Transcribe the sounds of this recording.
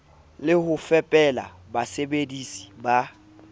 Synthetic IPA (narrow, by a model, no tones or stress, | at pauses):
lɪhʊfɛpʼɛla̰ | basebedisi̥ba